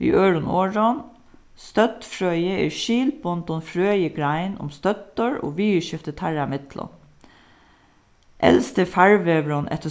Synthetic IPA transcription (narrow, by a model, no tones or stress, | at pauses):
ḭːʔøːɹʊnoːɹɔn | st̪œt̪fɹœʏəḛːʃiːlbɔnt̪ɔnfɾøːjəɡɾæɪnʔʊ̰mst̪œt̪əɹo̰ːʋiːʉʃʏft̪ət̪ʰæɹamɪt̪lɔ̰n | ʔɛ̰lst̪əfæɹʋeːʋɹɔnʔɛ̰t̪ə